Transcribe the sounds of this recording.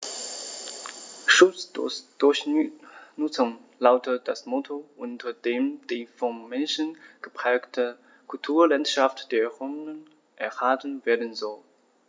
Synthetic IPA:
ʃʊt͡sd̥ʊɐç | nʊt͡sʊŋlaʊtəd̥asmɔtʰoʔʊntɐd̥eːmd̥iːfɔmmɛnʃənɡ̥əpʁ̥ɛːktʰə | kʰʊltʰuːɐlantʃaftd̥eːɐʁɔmnən | ʔɛɐhaːtən̩veːɐdn̩zɔl

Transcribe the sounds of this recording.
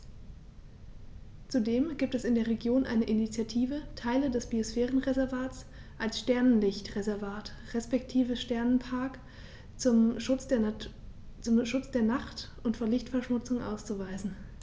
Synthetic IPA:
t͡sudeːmɡiːp̚tɛsɪndeːɐʁ̞eɡjoːnʔa̰ɪnəʔinit͡sjatʰiːvətʰaɪlədɛsb̥iosfɛːʁənʁezɛɐvaːt͡s | ʔalsʃtɛɐnənlɪçtʁezɛɐvaːt | ʁɛspɛktʰiːvəʃtɛɐnənpʰaɐk | ʊmʊt͡s | t͡sʊmʃʊt͡sd̥eːɐnaχtʔʊntfoːɐlɪçtfɛɐʃmʊt͡sʊŋʔa̰ʊst͡suvaɪzn̩

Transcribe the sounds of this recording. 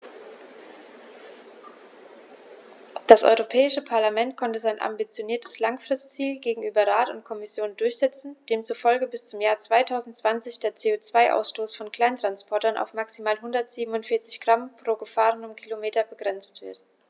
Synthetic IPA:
d̥asʔɔ̰ʏʁopʰɛːɪʃəpʰaɐlamɛntkʰɔntəzaɪnʔa̰mbit͡sjoniːɐtʰə̥slaŋfʁ̥ɪstt͡siːlɡeːɡŋ̩ʔyːbɐʁaːtʊ̰ntkʰɔmɪsjoːndʊɐçz̥ɛt͡sn̩d̥eːmt͡sufɔlɡəbɪst͡sʊmjaːɐt͡sv̥aɪtʰaʊzn̩tt͡sv̥ant͡sɪçd̥eːɐt͡seːoːt͡sv̥aɪʔa̰ʊsʃtoːsfɔnkl̥aɪntʁ̥anspʰɔɐtɐnʔa̰ʊfmaksimaːlɦʊndɐtz̥iːbm̩ʊntfɪɐt͡sɪ̥çɡ̥ʁampʁ̥oːɡəfaːʁənʊmkʰilomeːtɐbəɡʁɛnt͡stv̥ɪɐt

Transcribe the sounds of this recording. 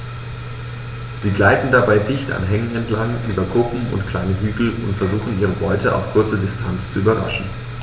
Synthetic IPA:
z̥iːɡlaɪtn̩dabaɪdɪçta̰nɦɛŋənɛntlaŋʔyːbɐkʰʊpm̩ʊ̰ntkʰl̥aɪnəɦyːɡl̩ʊ̰ntfɛɐzuːxn̩iːʁ̞əbɔʏtəʔa̰ʊfkʰʊɐt͡sədɪstʰant͡st͡suyːbɐʁa̰ʃn̩

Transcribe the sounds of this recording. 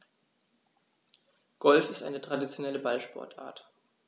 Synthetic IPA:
ɡ̥ɔlfɪstʔaɪnətʁ̥adit͡sjonɛləbalʃpɔ̰ɐtʰʔa̰ːɐt

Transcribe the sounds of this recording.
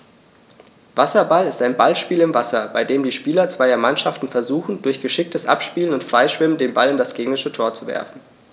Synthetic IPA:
vasɐbalɪstaɪnbalʃpiːlɪmvasɐbaɪdeːmdiːʃpiːlɐt͡sv̥aɪɐmanʃaftn̩fɛɐzuːxn̩dʊɐçɡ̥əʃɪk̚tʰəsʔa̰pʃpiːlənʊntfʁ̥aɪʃv̥ɪməndeːnbalɪndasɡ̥eːɡŋlɪʃətʰoːɐt͡suvɛ̰ɐfn̩

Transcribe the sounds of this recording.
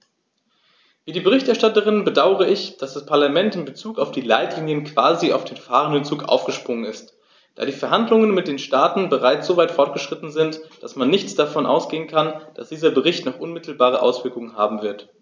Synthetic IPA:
viːdiːbəʁɪçtɛɐʃtatəʁ̞ɪnbədaʊəʁəɪçd̥asd̥aspʰaɐlamɛntɪmbət͡suːkaʊfd̥iːlaɪtliːnjənkv̥aːzia̰ʊfd̥eːnfaːʁənɪt͡suːkʔa̰ʊfɡ̥əʃpʁ̥ʊŋənɪst | d̥a̰ːɾiːfɛɐɦandlʊŋənmɪt̚d̥eːnʃtaːtn̩bəʁaɪt͡sz̥oːvaɪtfɔɐt̚ɡ̥əʃʁ̥ɪtn̩zɪntd̥asmanːɪçt͡sd̥afɔnʔa̰ʊsɡ̥eːənkʰand̥asd̥iːzɐbəʁɪçtnɔχʔʊnmɪtʰl̩baːʁ̞əʔa̰ʊsv̥ɪɐkʊŋənɦa̰ːbm̩vɪɐt

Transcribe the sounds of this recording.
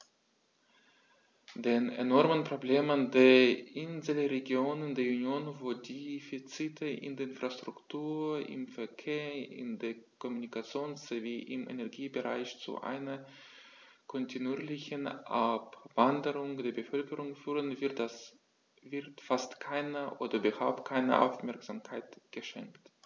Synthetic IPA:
d̥eːnḛnɔɐmənpʁ̥obleːməndeːɐʔɪnzl̩ʁeɡjoːnɪndeːɐunjoːnvoːdiːfit͡sitʰəʔɪ̰ndeːɐɪnfʁ̥astʁ̥ʊktʰuːɐɪ̰mfɛɐkʰeːɐɪ̰ndeːɐkʰɔmunikat͡sjoːnst͡seviːʔɪmʔḛnɛɐɡiːbəʁa̰ɪçt͡sṵʔa̰ɪnɐ | kʰɔntʰinuiːɐlɪçənʔapvandəʁʊŋd̥eːɐbəfœlkəʁʊŋfyːʁənvɪɐtas | vɪɐtfastkʰaɪnəʔoːdɐybɐhaʊp̚t̚kʰaɪnə̰ʔa̰ʊfmɛɐkz̥amkʰaɪtɡ̥əʃɛ̰ŋkt

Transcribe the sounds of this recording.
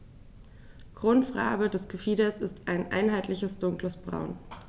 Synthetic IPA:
ɡ̥ʁʊntfʁ̥a̰ːbədɛsɡ̥əfiːdɐsɪstʰaɪnʔa̰ɪnɦaɪtlɪçəsd̥ʊŋkləsb̥ʁa̰ʊn

